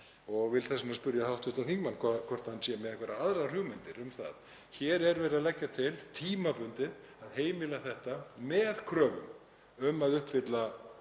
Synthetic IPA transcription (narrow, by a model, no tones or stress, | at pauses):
ɔɣvɪlθɛsʏnaspʏɾjaθawht̪ʏht̪aθiŋkmanːkʰkʰvɔr̥t̪hanːsjɛmɛðɛhkvɛɾaaðɾar̥jʏːɣmɪnt̪ɪɾʏmθa̰ð | çɛːɾɛɾvɛːɾɪðalɛcːat̪ʰɪlt̪ʰiːmapʏnt̪ɪð | aðheːjmɪlaθɛht̪amɛðkʰɾœːvʏ̰m | ʏmaðʏhpfɪt̪la